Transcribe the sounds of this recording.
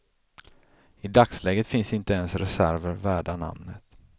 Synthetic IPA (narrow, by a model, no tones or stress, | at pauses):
ɪd̪akslɛːɡət̪fɪnsɪnt̪əɛnsɾɛsæɾvəɾvæːɖana̰mnət̪